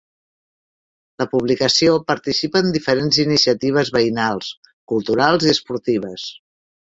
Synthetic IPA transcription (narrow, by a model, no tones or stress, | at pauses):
ləpuβlikəsiopəɾt̪isipəːnd̪ifəɾenzinisiət̪iβ̞əzβəinalˠs | kulˠt̪uɾalˠziəspuɾt̪iβ̞əs